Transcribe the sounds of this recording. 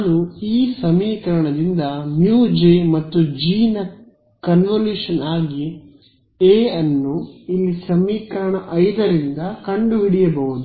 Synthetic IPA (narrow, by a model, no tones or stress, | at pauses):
naːnuiːsɐmiːkɐɾɐɳɐd̪ind̪ɐnjuːd͡ʒemɐt̪ːud͡ʒiːnɐ | kɐnʋɐljuːʂɐnaːɡi | eːɐnːuilːisɐmiːkɐɾɐɳɐʔɐjd̪ɐɾind̪ɐkɐɳɖuʋiɽijɐbɐɦud̪u